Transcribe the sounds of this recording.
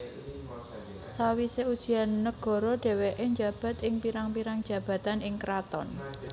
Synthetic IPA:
sawiseud̥ʒ̥i̤anːəɡ̥ɔ̤ɾɔɖ̥ɛ̤weʔeɲd͡ʒa̤b̥ä̤t̪ɪŋpiɾaŋpiɾaŋd̥ʒ̥ä̤b̥a̤t̪anɪŋkɾat̪ɔ̰n

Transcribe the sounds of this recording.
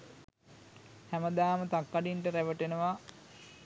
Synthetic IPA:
hæməd̪aːmət̪akːaɖiɳʈəɾæʋəʈenəʋa

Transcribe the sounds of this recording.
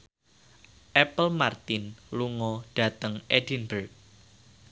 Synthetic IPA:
ʔɛpəlmart̪ɪnluŋɔd̥ä̤t̪əŋʔɛdinbərk̚

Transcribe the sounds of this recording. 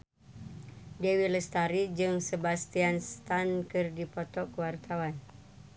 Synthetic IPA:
dɛwiləst̪aɾid͡ʒɨŋsebast̪ianst̪ankɨrdipɔt̪ɔkuwart̪awan

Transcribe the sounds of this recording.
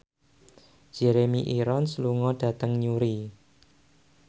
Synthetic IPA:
d͡ʒ̥eɾemiʔiɾɔnsluŋɔɖ̥ä̤t̪əŋɲuɾi

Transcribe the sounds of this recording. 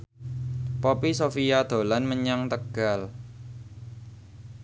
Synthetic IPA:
popisofijad̪̥o̤lanməɲaŋt̪əɡ̥al

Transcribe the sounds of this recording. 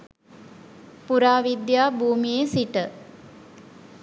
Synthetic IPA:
puɾaːʋid̪jaːbʱuːmijesiʈə

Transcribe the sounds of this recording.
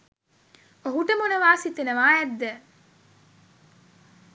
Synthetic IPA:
oɦuʈəmunɐʋaːsit̪enɐʋaːjɛd̪ːɛ

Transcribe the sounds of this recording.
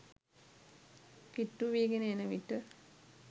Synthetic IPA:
kiʈːuʋiːɡenəenəʋiʈə

